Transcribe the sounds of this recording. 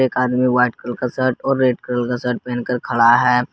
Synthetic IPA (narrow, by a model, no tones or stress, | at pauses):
eːkaːd̪miʋaːɪʈkəlkasəɾʈɔːɾːeːʈ̚kɾəlkasəɾʈ̚pɛ̃ːnkəɾkʰɐɭaɦɛː